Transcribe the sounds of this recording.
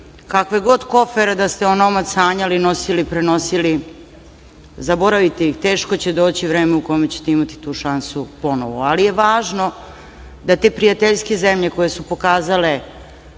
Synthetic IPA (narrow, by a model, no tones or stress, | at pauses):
kakʋeɡo̞d̪ko̞feɾad̪ast̪eonomat̪saːɲalino̞silipɾeno̞sili | zabo̞ɾaʋit̪eixt̪e̞ːʃkot͡ɕe̞d̪o̞ːt͡ɕiʋɾeːmeuko̞jmet͡ɕe̥t̪eimat̪i̥t̪uːʃansupo̞noʋoalije̞ʋaːʒno̞ | d̪at̪eːpɾijat̪eʎskezemʎe̞ko̞jesupo̞kaːzale